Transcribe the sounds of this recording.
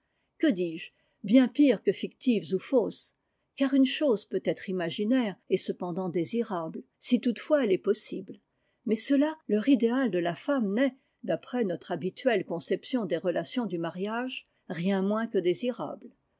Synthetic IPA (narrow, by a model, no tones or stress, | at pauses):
kəd̪iːʒ | bjɛ̃piʁkəfikt̪ivzufos | kaʁynʃozpøt̪ɛt̪χimaʒinɛʁɛsəpɑ̃d̪ɑ̃d̪eziʁabl | sit̪ut̪fwaɛlɛpɔsibl | mɛsəlalœʁid̪eald̪əlafamnɛ | d̪apχɛnɔt̪χabit̪ɥɛlkɔ̃sɛpsjɔ̃d̪eʁəlasjɔ̃d̪ymaʁjaʒ | ʁjɛ̃mwɛ̃kəd̪eziʁa̰bl